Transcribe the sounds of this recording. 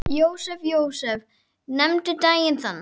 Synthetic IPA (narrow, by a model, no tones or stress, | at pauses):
jowsɛvjowsɛv | nɛmt̪ʏd̪aːjɪnθana